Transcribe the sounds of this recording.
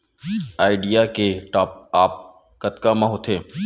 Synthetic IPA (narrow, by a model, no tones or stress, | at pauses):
aːɪɖijakeʈaːp̚aːp̚ | kɐt̪kamãɦʊt̪ʰeː